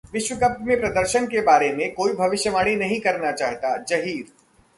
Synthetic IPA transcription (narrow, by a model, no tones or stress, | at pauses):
ʋɪʃʋəkəpt̪mẽpɾɐd̪əɾʃənkebaːɾemẽkoːibʱɐʋɪʃjəʋaːɽ̃inɐɦĩkɐɾnat͡ʃaːɦt̪ad͡ʒɐɦiːɾ